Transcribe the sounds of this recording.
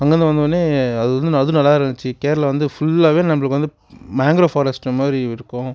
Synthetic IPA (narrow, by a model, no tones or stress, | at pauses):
ɐŋɡɐnd̪ɐʋɐnd̪oːnːeːɐðɯʋɐnd̪ɯnɐðɯnɐlːaːɪɾɯnɯt͡ʃːɯkeːɾlɐʋɐnd̪ɯfʊɭːaːʋeːnɐmːɐɭɯkːʋɐnd̪ɯ | maːŋɡɾoːfoːɾɐsʈmaːdɾiɪɾɯkːʊ̃